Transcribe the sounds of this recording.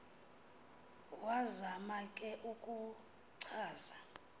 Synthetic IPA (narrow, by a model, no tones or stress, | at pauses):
wazamakʼɛʔukʼu | ǀʰaːsḁ